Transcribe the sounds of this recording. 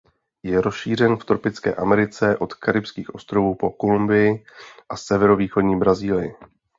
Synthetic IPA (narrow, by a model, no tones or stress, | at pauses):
jɛɾosʃiːr̝ɛnft̪ɾopɪt͡skɛ̰ːʔamɛɾɪt͡sɛʔo̞t̪kaɾɪpskiːxʔo̞st̪ɾo̞vuːpo̞kolumbɪjɪʔasɛvɛɾo̞viːxo̞dɲiːbɾaziːlɪjɪ